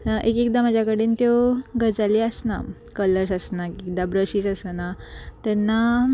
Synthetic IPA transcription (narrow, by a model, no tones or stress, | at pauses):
ʔekek̚d̪amad͡ʑʱjakəɽiːnt̪joɡəd͡zaliəsna̰ | kələɾsəsnakik̚d̪abɾəɕiːsəsənat̪ɛnːa